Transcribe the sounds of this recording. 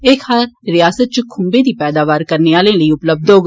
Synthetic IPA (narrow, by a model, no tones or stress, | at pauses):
eːkʰaːɾɪjaːsət̪̚t͡ʃəkʰʊmbeːd̪iːpɛːd̪aːʋaːɾkəɾneːaːlẽːləiːʊpləb̚d̪ɦoːɡ